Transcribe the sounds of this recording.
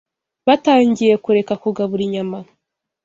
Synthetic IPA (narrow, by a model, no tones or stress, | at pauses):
βataːɲɟije̞kuɾe̞kakuɡaβuɾiɲama